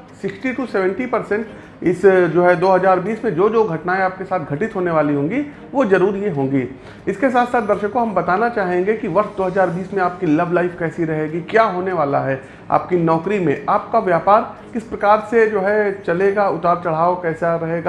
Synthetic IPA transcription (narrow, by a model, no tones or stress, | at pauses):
sɪksʈiʈuseːʋɛ̃ɳʈipɐɾsɛ̃ɳʈ | ɪsd͡ʒoːɦɛd̪oːɦɐzaːɾbiːsmẽd͡ʒoːd͡ʒoɡʱɐʈnaẽaːp̚kesaːt̪̚ʰɡʱɐʈɪt̪ɦoːneʋaːliɦõːŋɡi | ʋozɐɾuːɾjeɦõːŋɡiː | ɪskesaːt̪saːt̪̚d̪ɐɾʃəkːoɦɐmbɐt̪aːnat͡ʃaːɦẽːŋɡekiʋɐɾʃd̪oːɦɐzaːɾbiːsmẽaːp̚kilɐblaːɪfkɛːsiɾɐɦeːɡikjaːɦoːneʋaːla̰ɦɛː | a̰ːp̚kinɔːkɾimḛ̃ʔaːp̚kaʋjaːpaːɾkɪspɾɐkaːɾsed͡ʒoːɦɛt͡ʃɐleːɡaːʊt̪aːɾt͡ʃɐɽ̤aːokɛːsaɾɐɦeːɡaː